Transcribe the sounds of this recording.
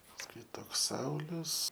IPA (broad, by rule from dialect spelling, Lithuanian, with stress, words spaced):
pɐsˈkʊɪ ˈtoːks ˈsɐʊlʲʊs